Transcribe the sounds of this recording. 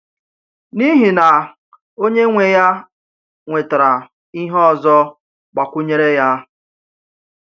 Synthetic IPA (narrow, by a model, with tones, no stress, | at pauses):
ni˦ɦi˨na˨ | o˦ɲe˦ŋʷe˨ja˦ | ŋʷe˨ta˨ɾa˨ | i˦ɦɔ˦˨zɔ˦ | k͡pa˨kʷʊ˦ɲe˦ɾe˦ja˦